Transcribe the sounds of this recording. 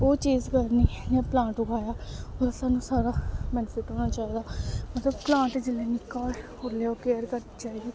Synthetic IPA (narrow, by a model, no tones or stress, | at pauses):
oːt͡ʃiːzkəɾniːd͡ʒɛ̃ːplãːɳʈʊkʰaːjaːoɾsaːnũːsaːɾaːbɛnfɪːʈɦoːnaːt͡ʃaːiːd̪aːmət̪ləbplãːɳʈd͡ʒɪleːnɪkːaːhoːɾleːoːkeːəɾkəɾ | t͡ʃaːiːɡiː